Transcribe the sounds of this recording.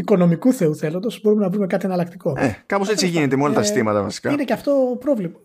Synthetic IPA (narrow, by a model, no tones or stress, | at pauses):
iko̞no̞mikuθe̞uθe̞lo̞nd̪ozbo̞ɾume̞nɐvɾume̞kɐt̪ienɐlɐk̚t̪iko̞ekɐpo̞se̞t͡sst͡siʝinet̪emeolɐt̪ɐsi̥st̪imɐt̪ɐvɐsi̥kɐineceɐft̪opɾo̞vlimɐ